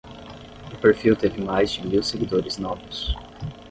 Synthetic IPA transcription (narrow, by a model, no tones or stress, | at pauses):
ʊpeɾfiwt̪evɪmajzd͡ʒɪmiwseɡid̪oɾɪznɔvʊs